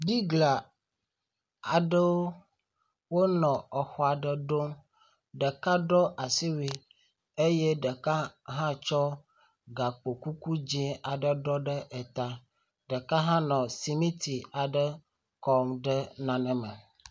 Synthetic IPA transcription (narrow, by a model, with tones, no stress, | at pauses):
bi˦ɡla˨ | a˨ɖə˦wo˦ | wo˦nɔ̃˨ɔ˨xɔ˦a˨ɖə˨ɖo˦ | ɖə˨ka˦ɖɔ˦ʔa˨si˦wi˦ | e˦je˦ɖə˨ka˦ɦã˦t͡ʃɔ˦ | ɡa˨k͡po˨ku˦ku˦d͡ʒĩ˦a˨ɖə˨ɖɔ˦ɖə˦ʔɛ˨t̪a˦ | ɖə˨ka˦ɦã˦nɔ̃˨si˨mĩ˦t̪i˨a˨ɖə˦ | kɔ˦mɖə˦nã˨nɛ̃˦mɛ˨